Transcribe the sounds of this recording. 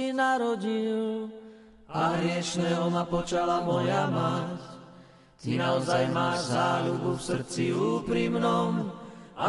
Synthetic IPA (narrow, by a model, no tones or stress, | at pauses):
inaɾɔɟil | aɦɾɪɛʃnɛːɦɔmapɔt͡ʃalamɔjamac | t̪inaɔzajmaːʒzaːlubufsr̩t͡siuːpɾimnɔma̰